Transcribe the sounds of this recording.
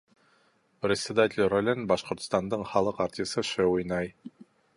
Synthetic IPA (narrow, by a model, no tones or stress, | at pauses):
prʲɪsʲed̪atʲɪlʲrolʲɘnbɑʃqŏɾt̪st̪ɑnd̪ɤɴχɑlˠɤqɑɾt̪ʲsɤʃɘujnɑj